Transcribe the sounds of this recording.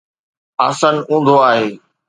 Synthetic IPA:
aːsənũːnd̪ʱoaːɦeː

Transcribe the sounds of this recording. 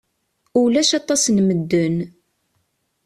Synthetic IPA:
ulæʃɑt̪ˤɑsnməd̪ːən

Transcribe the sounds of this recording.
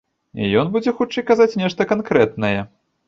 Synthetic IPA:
ḭjɔnbud͡zʲɛxut͡ʂɨjkazat͡sʲnʲɛʂt̪ɐkankɾɛt̪nɐjɛ

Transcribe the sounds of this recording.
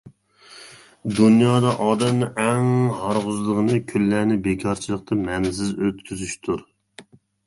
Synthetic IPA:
d̪unjɑːd̪ɑʔɑːd̪ɛmnɨʔɛŋhɑɾʁʊzlˠəʁənɨkʲʰylːæɾnɪbekʰʲɑɾt͡ʃʰilˠəq̚t̪ʰɨmɛnzɪzøt̪kʲʰyzyʃt̪ʰuɾ

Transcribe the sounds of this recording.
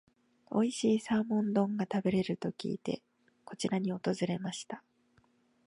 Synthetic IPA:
o̞̰iɕiːsaːmõ̞nd̪õ̞ŋɡat̪abe̞ɾe̞ɾɯ̟t̪o̞kʲḭːt̪e̞̰ | ko̞t͡ɕiɾaɲ̟io̞t̪o̞zɨɾe̞maɕi̥t̪a

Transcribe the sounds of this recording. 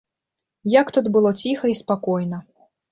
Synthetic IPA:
jɐkt̪ud̪bɨlˠɔt͡sʲixɐispakɔjnɐ

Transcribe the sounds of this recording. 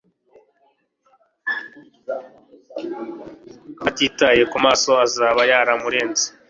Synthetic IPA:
hatiːtaje̞kumaːso̞azaːβajaːɾamuɾe̞ːnzi̥

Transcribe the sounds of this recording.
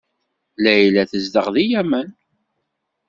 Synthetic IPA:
læjlæθəzd̪əʁðijæmən

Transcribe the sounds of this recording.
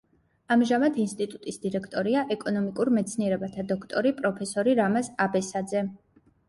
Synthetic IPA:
amʒamat̪ʰinst̪ʼit̪ʼut̪ʼisd̪iɾɛkʰt̪ʼɔɾiaʔɛkʼɔnɔmikʼuɾmɛt̪sʰniɛɾɛbat̪ʰad̪ɔkʰt̪ʼɔɾipʼɾɔpʰɛsɔɾiɾamasabɛsad̪zɛ

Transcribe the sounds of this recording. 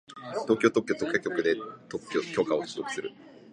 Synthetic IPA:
t̪o̞ːkʲo̞ːt̪o̞kʲːo̞ːt̪okːakʲo̞kɯ̟d̪e̞t̪ookʲo̞ːkao̥t͡ɕɨzo̞kɯ̟sɨɾɯ̟

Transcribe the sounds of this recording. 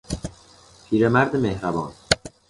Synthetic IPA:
pʰiːɾemæɾd̪emehɾæbɒːn

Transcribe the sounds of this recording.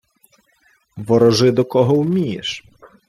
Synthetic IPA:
ʋɔɾɔʒɪd̪ɔkɔɦɔwmʲijḛʃ

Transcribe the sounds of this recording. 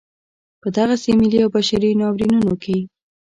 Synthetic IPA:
pəd̪aɣasemɪliawbaʃaɾinɑwɾinunoke

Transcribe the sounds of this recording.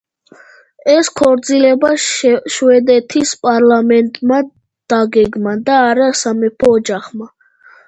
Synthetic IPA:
ɛskʰɔvɾd̪zilɛbaʃwɛd̪ɛt̪ʰispʼaɾlamɛnt̪ʼma | d̪̥aɡɛɡmad̪aːɾasamɛpʰɔːd͡ʒaχma

